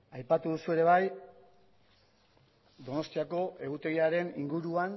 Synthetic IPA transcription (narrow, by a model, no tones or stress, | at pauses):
ajpat̪uðusue̞ɾe̞β̞aj | d̪o̞no̞st̪iako̞ʔe̞ɣut̪e̞ɣiaɾe̞nḭŋɡuɾuan